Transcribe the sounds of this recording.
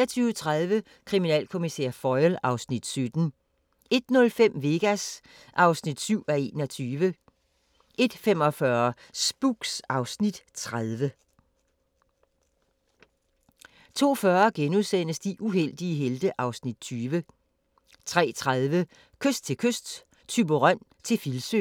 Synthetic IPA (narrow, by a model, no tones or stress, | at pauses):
ɐt͡sʰyːʊt͡sʰʁaðˠʋə | kʰʁiminɛ̰ːlkʰo̝misḛɐ̰fɒɪlɑ̈ʊsnid̥sød̥n̩ | e̝d̥nɔ̽lfem̰ʋe̝ːɡ̥æs | ʔɑ̈ʊsnid̥syʊ̰æe̝̰ːnɒt͡sʰyːʋə | ʔe̝d̥fem̰ɒ̽fɶɐsb̥uɡ̥sɑ̈ʊsnid̥t͡sʰʁað̞ˠʋə | t͡sʰo̝̰ːfɶːɐɡ̥enuðˠsen̰əsd̥iʔuɦel̰d̥iəɦeld̥əʔɑ̈ʊsnid̥t͡sʰyːʋə | t͡sʰʁɛ̰ːt͡sʰʁaðˠʋə | kʰøsd̥̚t͡sʰe̝lkʰøsd̥ | t͡sʰyb̥oʁɑn̰ | t͡sʰe̝filsø̰